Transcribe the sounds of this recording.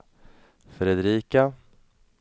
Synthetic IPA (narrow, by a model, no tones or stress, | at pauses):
fɾɛd̪ɾiːka